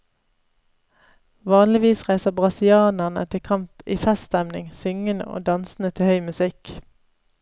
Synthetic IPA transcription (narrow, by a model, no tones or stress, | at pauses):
ʋɑːnlɪʋiːsʁæɪsəbʁɑsɪɑːnæʁnə̰t̪ʰɪkʰɑmpiːfɛst̪æmnɪ̰ŋsʏŋənə̰ʔo̰ːd̪ɑnsn̩ət̪ʰɪhœʏmʉsɪk